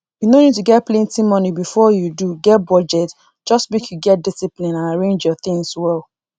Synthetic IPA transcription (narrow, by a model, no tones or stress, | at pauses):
junonituɡɛt̚plẽntĩmɔnibifɔjuduɡɛt̚bɔd͡ʒɛt | d͡ʒɔstmekjuɡɛt̚disiplĩnãnaɹẽnd͡ʒjɔθɪ̃ŋswɛl